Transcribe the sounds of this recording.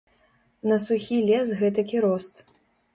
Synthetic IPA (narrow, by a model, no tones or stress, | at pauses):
nɐsuxʲilʲɛsɣɛt̪ɐkʲiɾɔst̪